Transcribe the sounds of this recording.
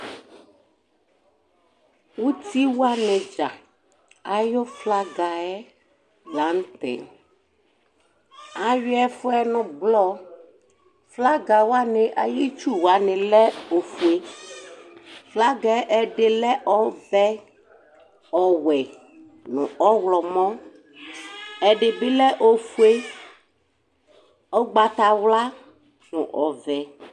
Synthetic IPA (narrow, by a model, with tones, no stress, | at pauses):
wu˦t̪i˦wu˦a˦nɛ̃˨d͡ʒa˨ | a˨jo˦fla˦ɡa˨ɛ˦ | ɡa˨˦n˦t̪ɛ̰˨ | a˨ɥi˦ɛ˦fo˦ɛ˦nɔ̃˨blɔ˦ | fla˦ɡa˨wa˦nɛ̃˨ʔa˨ji˦t͡ʃu˦wa˨˦nɛ̃˨lɛ˦o˨fu˨e˦ | fla˦ɡɛ˦ʔɛ˨ɖe˨lɛ˦ʔɔ˦vɛ˦ | ɔ˨wɛ˨ | nṵ̃˨ɔ˦wlɔ˨mɔ̃˦ | ɛ˨ɖe˨bi˦lɛ˦ʔo˦fu˦e˦ | ɔ˦ɡ͡ba˨t̪a˨wla˦ | nṵ̃˨ʔɔ˨vɛ˨